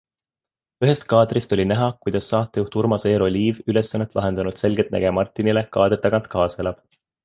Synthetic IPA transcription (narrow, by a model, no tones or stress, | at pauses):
yɦe̞st̪̚kɑːd̪rist̪o̞lʲinæɦɑkujd̪̥ɑsːɑːt̪ːˑejuht̪urmɑseːɾo̞lʲiːvyle̞sːɑnːe̞t̪lɑ̰ɦe̞nd̪̥ɑnud̪̥se̞lɡet̪næ̰ɡ̥emɑrt̪ːˑinile̞kɑːd̪et̪ːˑɑɡɑnt̪ˑkɑːselɑb̥